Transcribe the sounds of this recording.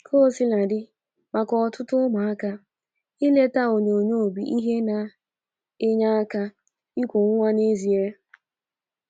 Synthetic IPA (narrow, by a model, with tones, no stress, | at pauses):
kʰo˦˨si˦la˨dɪ˦ | ma˨kɔ˨ɔ˨tʊ˦tʊ˦ma˨a˦ka˦ | i˦le˦ta˦o˨ɲe˨o˨ɲo˦˨bi˨ʔi˦ɦe˦na˨ | e˦ɲa˦a˦ka˦ | i˦kʷu˨ŋ̩ʷ˦a˦ne˦zi˨e˦